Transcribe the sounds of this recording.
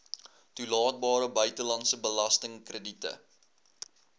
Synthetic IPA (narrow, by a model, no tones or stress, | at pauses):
tulɑːt̚bɑːɾəbœɥtəlɐntsəbəlɐstəŋkrəditə̰